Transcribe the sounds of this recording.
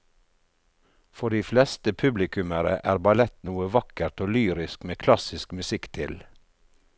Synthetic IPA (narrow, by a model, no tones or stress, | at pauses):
fɔɖiːflɛst̪əpʰʉblɪkʉməɾə̰ʔæːɾbɑlɛt̪nuːəʋɑkəɾt̪oːlyːɾɪskmeːkʰlɑsɪskmʉsɪkt̪ʰɪl